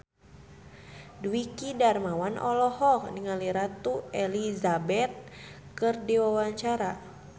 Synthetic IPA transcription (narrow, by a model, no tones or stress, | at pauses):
duikidarmawanʔɔlɔhɔkniŋaliɾat̪uelizabɛt̪̚ | kɨrdiwawaɲt͡ʃaɾa